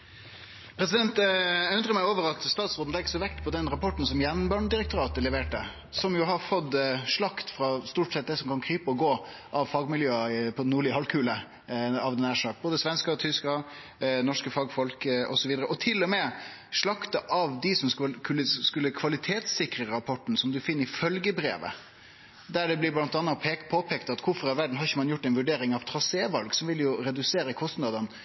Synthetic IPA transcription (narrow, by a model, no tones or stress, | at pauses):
pʰɾɛsɪd̪ɛnt̪æʉnd̪ʁəmæɪoːʋəɾɑt̪st̪ɑːt̪soːn̩ɛkːəsɔʋɛkt̪pʰɔd̪ɛnɾɑpʰɔʈn̩sɔmjɛnbɑɳɖ̪ɪɾɛkt̪ʊɾɑːt̪əlɛʋeːʈə | sɔmjʊɦɑɾfɔd̪ʂɭɑkt̪fɾɑst̪uːʈsɛt̪̚d̪ɛsɔmkʰɑnkʰɾyːpəɔɡoː | ʔɑʋfɑɡmɪljøːpʰɔnːuːɭɪəhɑlkʰʉːlə | ɑʋd̪ɛnæːʂɑkboːd̪əsʋɛnskət̪ʰʏskɑ | nɔʂkəfɑːɡfɔlkɔ̰sɔʋiːd̪əɾəʔɔt̪ʰɪlːɔmɛ | ʂɭɑkt̪ɑʔɑʋd̪ɪsɔmkʰʉlːəskʉlːəkʰʋɑlɪt̪ʰeːt̪sɪkɾəɾɑpʰɔʈːn̩sɔmd̪ʉfɪnːəɾɪfœlɡəbɾḛːʋə̰ | d̪æɖɛblɪblɑnt̪ɑnːɑpʰepʰoːpʰɛkt̪ɑt̪kʰʊɾfɔɾɑʋæɖɳ̩ɦɑɾɪçəmɑnjʊʈːæɪnʋʉɖeːɾɪŋɑʋt̪ʰɾɑseːʋɑlɡsɔmʋɪljʊɾɛd̪ʉseːɾəkʰɔst̪nɑd̪ɑn